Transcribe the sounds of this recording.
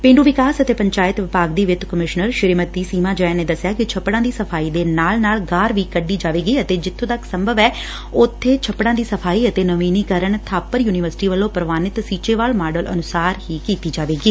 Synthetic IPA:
pẽːɳɖuːʋɪkaːsət̪eːpəɲt͡ʃaːɪt̪ʋɪpaːɡd̪iːʋɪt͡ʃ̪kəmɪʃnəɾʃɪɾimət̪iːsiːmãːd͡ʒə̃neːd̪əsɪjaːkɪt͡ʃʰəpːɽãːd̪iːsəpʰaːiːd̪eːnaːlnaːlɡaːɾʋiːkəɖiːd͡ʒaːʋeːɡiːət̪eːd͡ʒɪt̪ʰːõːt̪əksəmbʱəʋɛː | ʊt̪ʰːeːt͡ʃʰəpːɽãːd̪iːsəpʰaːiːət̪eːnəʋiːniːkəɾəɳt̪ʰaːpəɾjuːnɪʋəɾsʈiːʋəlːõːpɾəʋaːnɪt̪siːt͡ʃeːʋaːlmaːɖəlʔə̰nʊsaːɾhiːkiːt̪iːd͡ʒaːʋeːɡiː

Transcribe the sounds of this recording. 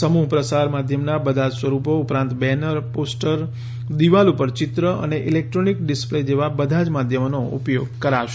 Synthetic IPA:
əmuɦpɾəsaɾmad̪ʱjəmnabəd̪ʱad͡ʒsʋəɾupoupɾãnt̪bɛnəɾposʈəɾ | d̪iʋalupəɾt͡ʃɪt̪ɾəʔə̰neʔilek̚ʈɾonikɖispled͡ʒeʋabəd̪ʱad͡ʒmad̪ʱjəmnoṵpjoɡ̚kəɾaʃ

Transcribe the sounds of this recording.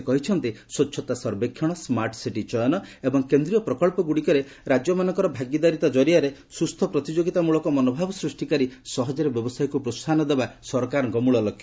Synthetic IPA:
kɔɦit͡ʃʰɔnt̪iswɔtːʃʰɔt̪asɔɾbekʰːjɔɽ̃ɔsmaɾʈsiʈit͡ʃɔjɔnɔebɔŋkend̪ɾijɔpɾɔkɔɭpɔɡuɽikɔɾe | ɾad͡ʒjɔmanɔŋkɔɾɔbʱaɡid̪aɾit̪ɔd͡ʒɔɾiaɾesust̪ʰɔpɾɔt̪id͡ʒoɡit̪amuɭɔkɔmɔnobʱabɔsɾusʈikaɾisɔɦɔd͡ʒɔɾebjɔbɔsajɔkupɾost̪ʰanɔd̪ebasɔɾkaɾɔŋɡɔmuɭɔlɔkʰːj

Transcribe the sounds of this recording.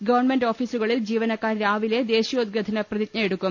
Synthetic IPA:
ɡɐʋɐrɳmenɖoːfiːsuɣɐɭild͡ʑiːʋɐnɐkːaːɾɾaːʋile̞d̪e̞ːɕijɐod̪̚ɡɐd̪ʱɐnɐprɐðit̪nɐjeɽukːum

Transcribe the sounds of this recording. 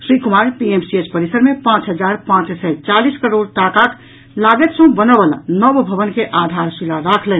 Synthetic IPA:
sɾikumaɾpiemsiet͡ʃpəɾisəɾmepãt͡ʃɦəd͡ʒaɾpãt͡ʃsɛt͡ʃaliskəɾoɽt̪akak | laɡet̪sə̃bənəbəla̰nəbbʱəʋənkeʔad̪ʱaɾsilaɾakʰlɛn

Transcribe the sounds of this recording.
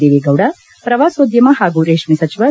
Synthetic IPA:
d̪eːʋeɡɐwɽɐ | pɾɐʋaːsoːd̪jɐmɐɦaːɡuɾeːʂmisɐt͡ʃiʋɐ

